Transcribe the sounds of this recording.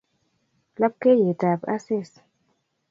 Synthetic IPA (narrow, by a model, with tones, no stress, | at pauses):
la˦p̚ke˦je˨ta˨ba˦se˦s